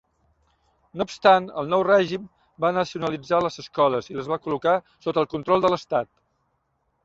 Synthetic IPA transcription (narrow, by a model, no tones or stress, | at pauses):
noːpst̪anə̰lˠnɔwrɛʒim | banəsiunəlid͡zaləzəskɔləziləzβakuluka | sot̪əːlˠkunt̪ɾɔlˠd̪ələst̪at̪̚